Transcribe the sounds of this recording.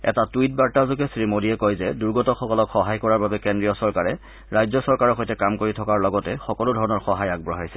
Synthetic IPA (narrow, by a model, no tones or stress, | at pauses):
ɛ̰tatujt̚baɹtazʊɡɛsɹimodiɛkɔjzɛduɹɡɔtɔxɔkɔlɔkxɔɦajkɔɹaɹbabɛkɛndɹijɔsɔɹkaɹɛ | ɹajzɔsɔɹkaɹɔxojtɛkamkoɹitʰɔkaɹlɔɡɔtɛxɔkɔlʊdʱɔɹɔnɔɹxɔɦajaɡ̚bɹɔɦajsɛ